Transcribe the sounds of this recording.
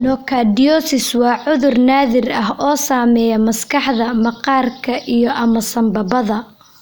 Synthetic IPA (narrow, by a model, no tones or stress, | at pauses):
nɔkʰaːdɪjɔsɪswɑːʕʊðʊrnaːðɪrɐɦɔːsaːmɛːjɐmɐskʰɑħðɐmɐqɑːrkʰɐʔijɔʔɐmɐsɐmbɐbɐðɐ